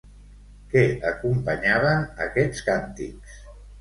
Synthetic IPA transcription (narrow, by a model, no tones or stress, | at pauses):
kɛəkumpəɲaβənə̰kɛt͡skant̪ḭks